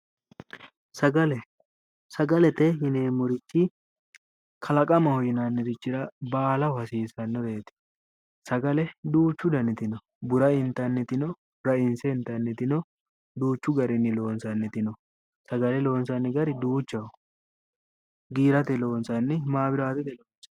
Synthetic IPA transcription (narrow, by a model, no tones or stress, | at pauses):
sɐɡɐlɛ | sɐɡɐlɛt̪ɛhɪneːmʊɾɪt͡ʃːɪ | kʰɐlɐkʼɐmɐhɔjɪnanːɪd̪ɪt͡ʃːɪɾɐbaːlɐwʊhɐsiːsɐnːɔbeːt̪ɪ̥ | sɐɡɐlɛd̪uːt͡ʃːʊd̪ɐnɪt̪ɪnɔ | bʊɾɐɪnt̪ːɐnːɪt̪ɪnɔ | ɾɐɪnsɛɪnt̪ːɐnːɪt̪ɪnɔ | d̪uːt͡ʃːʊɡɐɾɪnːɪlo̞ːnsɐnːɪt̪ɪnɔ | sɐɡɐlɛlo̞ːnsɐnːɪɡɐɾɪd̪uːt͡ʃːɐw | ɡiːɾɐt̪ɛlo̞ːnsɐnːɪmaːbɪɾaːt̪ɛt̪ɛloːnsɐ